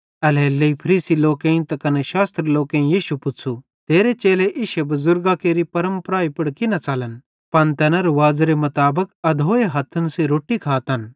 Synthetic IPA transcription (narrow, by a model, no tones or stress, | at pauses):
ɐlɛːlːeipʰɐɾiːsiloːkẽːĩt̪ɐkɐneʃaːst̪ɾloːkẽjiːʃupʊt͡sʰu | t̪eːɾet͡ʃeːleʔɪʃebɐzʊɾɡakeːɾipɐɾəmpɾaːipɪɽkɪnat͡saːlən | pɐnt̪ɛːnaɾoʋaːd͡zɾemɐt̪aːbəkɐd̪ʱoːeɦɐt̪ʰːənsiɾoːʈːikʰaːt̪ɐn